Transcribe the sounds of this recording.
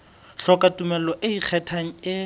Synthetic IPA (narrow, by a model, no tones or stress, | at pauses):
ɬɔkatumɛlɔʔɪik͡xʰɛtʰaŋ̩ɪ